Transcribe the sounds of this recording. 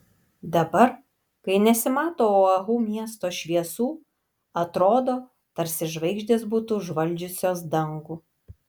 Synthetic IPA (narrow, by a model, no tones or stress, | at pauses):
d̪ɐbɐɾ | kɐɪnʲɛsʲɪmɑːt̪oːoːɐɣuːmʲiɛst̪oːʃʲʋʲiɛsuː | ɐt̪ɾoːd̪oː | t̪ɐɾʲsʲɪʒʋɐɪɡʒʲd̪ʲesbuːt̪uːʒʋɐlʲˑd͡ʒʲʊsʲoːsd̪ɐŋɡuː